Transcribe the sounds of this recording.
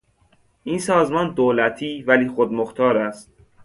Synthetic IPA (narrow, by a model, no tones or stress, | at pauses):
ʔiːnsɒːzmɒːnd̪oːlæt̪ʰiːvæliːxod̪moxt̪ʰɒːɾæst̪̚